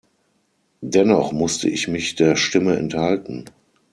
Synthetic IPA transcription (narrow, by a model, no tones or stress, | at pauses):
dɛnɔχmʊstəʔɪçmɪçd̥eːɐʃtɪməɛ̰nthaltn̩